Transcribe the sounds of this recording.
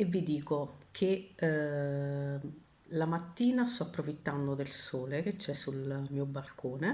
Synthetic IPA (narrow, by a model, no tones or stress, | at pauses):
evːid̪iːkokʰe | lamat̪ːiːnast̪ɔapːɾofit̪ːand̪od̪elsoːlek̟et͡ʃːɛsːulmiːobalkʰoːne